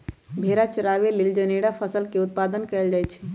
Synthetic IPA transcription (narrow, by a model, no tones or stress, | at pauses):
bʱeɾat͡ʃəɾaʋelild͡ʒəneɽapʰəsəlkeut̪̚pad̪ənkɛld͡ʒajt͡ʃʰɛ̥